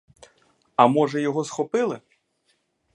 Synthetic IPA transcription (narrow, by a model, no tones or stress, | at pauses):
ɐmɔʐɐjɔɣɔsxɔpɨlˠɨ